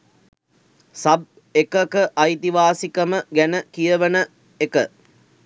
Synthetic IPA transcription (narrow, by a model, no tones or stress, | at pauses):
sɐb̚ | ekəkəʔɐjt̪iʋaːsikəməɡænəkijəʋənə | ekə